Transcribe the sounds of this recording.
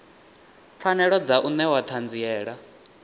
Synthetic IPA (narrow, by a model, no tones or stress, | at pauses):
fanɛɺɔd͡zaʔunɛwat̪ʰand͡ziɛːɺa